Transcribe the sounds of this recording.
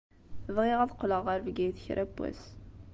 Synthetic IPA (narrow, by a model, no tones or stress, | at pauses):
əvʁiʁæðqːləʁːəɾvɡæjθəçɾʔæbʷːæ̰s